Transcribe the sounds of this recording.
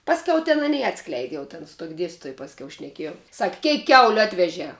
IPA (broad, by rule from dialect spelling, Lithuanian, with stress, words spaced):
ˈpɑːsʲˌkʲɛʊ tʲɛn ɐˈnʲiː ˈɑːtsklʲɛɪdʲɪ ˈjɛʊ tʲɛn sʊ tuɔkʲ ˈdʲiɛsʲtʲiːtoːj pɐsʲˈkʲɛʊ ʃʲnʲɛˈkʲiɛjɛʊ sɐkʲ ˈkʲɛɪk ˈkʲɛʊlʲʊ ˈɑːtʲʋʲɛʒʲɛː